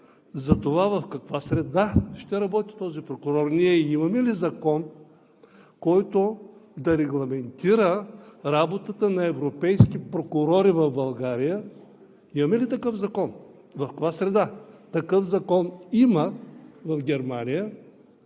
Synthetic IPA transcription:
zɐt̪ovavɐfkɐkvasɾɛd̪aʃt̪ɛɾɐbɔt̪i̥t̪ɔzipɾokʊɾɔɾniɛimɐmɛlizɐkɔn | kɔjt̪od̪ɐɾɛɡlˠɐmɛnt̪iɾəɾabot̪ət̪ənɐɛvɾopɛjskʲipɾokʊɾɔɾivɐvbɐlˠɡaɾijə | imɐmɛlit̪ɐkɤfzɐkɔn | vɐfkɐkvasɾɛd̪at̪ɐkɤfzɐkɔniməvɐfɡʲɛɾmanʲijə

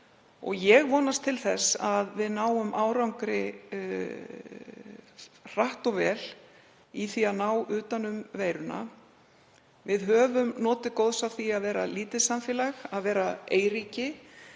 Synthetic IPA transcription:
ɔ̰ɣjɛɣvɔːnast̪ʰɪlθɛsaðvɪðnaːwʏmʔaːwɾawŋkɾɪ | r̥aht̪ɔɣvɛːl̥ | iθiaðnaːwʏːt̪anʏmveːjɾʏna̰ | vɪðɦœːvʏmnɔːt̪ɪkowðsawθiaðvɛːɾaliːt̪ɪsamfjɛːlaxaðvɛːɾaeːjɾiːcɪ

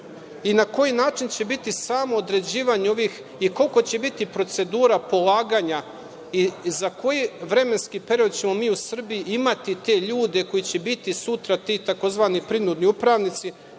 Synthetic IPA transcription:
inako̞jinaːt͡ʃint͡ɕe̞bit̪isaːmo̞ːd̪ɾe̞d͡ʑiːʋaɲeo̞ʋix | iko̞lko̞t͡ɕe̞bit̪ipɾo̞t̪se̞d̪uːɾapo̞lˠaːɡaɲa | izako̞jiʋɾe̞me̞nskipeɾio̞d̪t͡ɕe̞mo̞miːusr̩bijiʔimat̪it̪e̞ʎuːd̪e̞ko̞jit͡ɕe̞bit̪isut̪ɾat̪iːt̪ako̞zʋaːnipɾinud̪niupɾaʋnit̪si

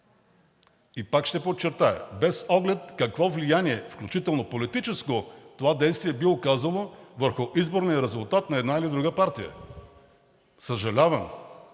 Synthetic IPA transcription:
ipakʃt̪ɛpot͡ʃːɛɾt̪aɛ̰bɛsɔɡlɛt̪̚kɐkvɔvlijaniɛfklʲut͡ʃit̪ɛlˠnopolit̪it͡ʃɛskot̪ovad̪ɛjst̪vijɛbiokazɐlˠovəɾxʊʔizboɾnijəɾɛzʊlˠt̪at̪nɐɛd̪nailid̪ɾuɡəpaɾt̪ijə̰ | səʒɐlʲavəm

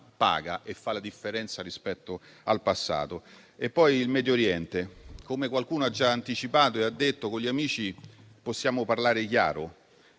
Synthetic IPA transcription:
pa̰ːɡaʔefːalad̪ifːeɾɛnt̪saɾispɛt̪ːo | alpasːa̰ːt̪o | epːɔjilmɛːd̪joɾjɛnt̪ekomekwalkuːnoad͡ʒːaant̪it͡ʃipaːt̪oead̪ːet̪ːokoʎiamiːt͡ʃi | posːjaːmoparlaːɾekja̰ːɾo

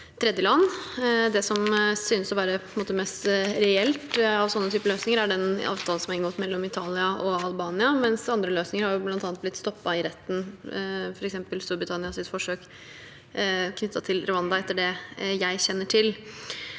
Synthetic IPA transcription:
t̪ʰɾɛd̪jəlɑnːd̪ɛsɔmsynəsɔʋæːɾəpʰɔnmoːt̪əmɛst̪ɾɛɛlt̪ɑʋsɔnːət̪ʰyːpəløːsnɪŋəɾæɖɛnɑ̰ːʋt̪ʰɑːlən̩sɔmɑɪnɡɔːt̪mɛlːɔmɪt̪ʰɑːlɪɑʔɔɑlbɑːnɪɑmɛnsɑnd̪ɾəløːsnɪŋəɾhɑɾjʊblɑnt̪ɑːnt̪blɪt̪ːst̪ɔpːɑɪɾɛt̪ːn̩ | fɔɾɛksɛmpəlst̪uːɾbɾɪt̪ʰɑnɪɑsɪt̪fɔʂøːk | kʰːnʏt̪ːɑt̪ʰɪlɾʊɑnd̪ɑɛt̪ːəɖɛjæɪɕɛnːəʈʰɪl

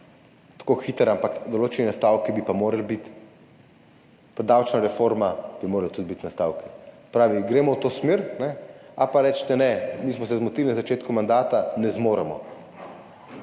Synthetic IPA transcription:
t̪ḁkoxiːt̪ɾampakd̪oloːt͡ʃɛnɛnast̪aːwkɛbipamoːɾalbit̪ | pɾɛd̪aːwt͡ʃnaɾɛfoɾmab̥imoːɾalat̪ud̪bit̪nast̪aːwkɛspɾaːʋiɡɾeːmɔwt̪oːsmiɾnɛapaɾɛːt͡ʃt̪ɛnɛmiːsmɔsɛzmɔt̪ilinazat͡ʃeːt̪kumand̪aːt̪anɛzmoːɾɛmɔ̰

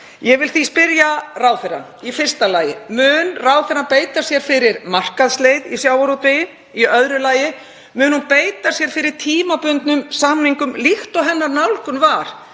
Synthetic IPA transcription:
jɛvɪlθispɪɾjaraːwθɛɾa̰nifɪr̥st̪alaːjɪmʏːnraːwθɛɾanpeːjt̪asjɛɾ̥fɪɾɪɾmar̥kaðslejðisjaːwaɾut̪ɪjɪ | iœðɾʏlaːjɪ | mʏːnhunpeːjt̪asjɛɾ̥fɪɾɪɾ̥t̪ʰiːmapʏnt̪nʏmsaːmniŋkʏmlixt̪ɔɦɛnːaɾnawlkʏnvaɾ̥

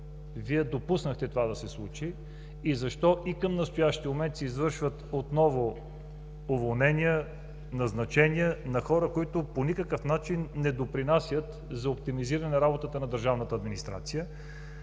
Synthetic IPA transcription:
viɛd̪opusnəxt̪ɛt̪ovad̪ɐsɛslˠut͡ʃiː | zɐʃt̪ɔʔikəmnɐst̪ʊjaʃt̪iomɛnt̪siizvɤɾʃvət̪ot̪nɔvʊ | ovolˠnɛnʲiə | nɐznɐt͡ʃɛniənɐxɔɾəkoit̪ʊponikəkəfnat͡ʃinːɛd̪opɾinasʲjət̪ | zɐop̚t̪imiziɾɐnɛnɐɾabot̪ət̪ənɐd̪əɾʒavnət̪əːd̪minist̪ɾa̰t̪sijə

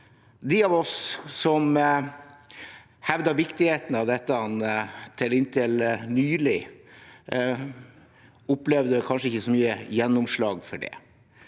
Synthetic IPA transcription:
d̪ɪɑʋɔssɔm | hɛʋd̪ɑʋɪkt̪ɪheːt̪ənɑʋd̪ɛt̪ːəɑnt̪ʰɪlɪnt̪ʰɪlnyːlɪ | ʊplɛʋd̪əkʰɑnʂəɪçːəsɔmyːəjɛnːʊmʂɭɑːɡfɔɖɛ̰

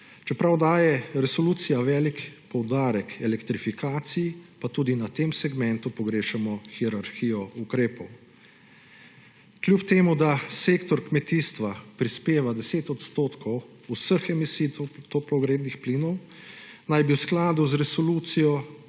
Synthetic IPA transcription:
t͡ʃɛpɾawd̪aːjɛɾɛsɔluːt̪sijaʋɛːlikpɔwd̪aːɾɛkɛlɛkt̪ɾifikaːt̪sijipat̪uːd̪inat̪eːmsɛɡmɛnt̪upɔɡɾeːʃɛmɔxiɛɾaɾxiːjɔukɾeːpɔw | klʲjupt̪eːmud̪aseːkt̪ɔɾkmɛt̪iːst̪ʋapɾispeːʋad̪ɛseːt̪ɔt̪st̪oːt̪kʰɔw | usəxɛmisiːt̪t̪ɔplɔɡɾeːb̪nixpliːnɔw | najbiwsklaːd̪uzɾɛsɔluːt̪sijɔ

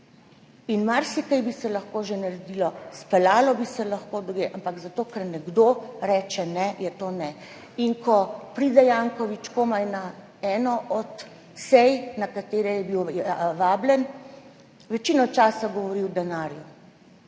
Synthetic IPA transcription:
inmaɾsikajbisɛlɐxkoːʒenaɾɛd̪ilɔspɛlaːlɔbisɛlɐxkoːd̪ɔɡeʔampaɡzat̪oːkɛɾnɛɡd̪oːɾɛːt͡ʃɛnɛjɛt̪oːnɛ | iŋkʰɔpɾiːd̪ɛjaːŋkɔʋit͡ʃkoːmajna | ɛːnɔʔɔt̪ | sɛjnakat̪eːɾɛjɛbiwʋaːblɛn | ʋɛt͡ʃiːnɔt͡ʃaːsaɡɔʋɔɾiwd̪ɛnaːɾju

